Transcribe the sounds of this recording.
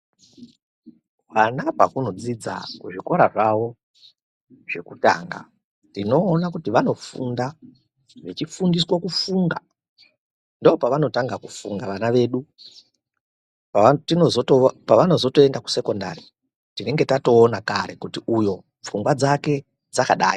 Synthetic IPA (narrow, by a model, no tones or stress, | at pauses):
ʋanapa̰kuno̞d͡zid͡za̰kuʐiko̞ɾaʐaʋo̞ | ʐ̥e̞kuta̰ːŋɡa̰ | nino̞ːnakutiʋano̞funda | ʋet͡ʃifundiswokufuŋɡa | ndoopaʋano̞taŋɡakufuŋɡaʋanaʋe̞ːɗu | ptinozotopaʋano̞zo̞toe̞ndaku̥se̞ko̞nda̰ɾi | tine̞ŋɡe̞tato̞ːnakaɾe̞kutiujo̞ | p͡fuŋɡwad͡zake̞ | d͡zakaɗa̰ːi